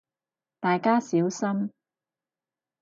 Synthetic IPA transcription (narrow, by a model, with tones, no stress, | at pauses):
t̪aː˨jkaː˥siː˨˥wsɐ˥m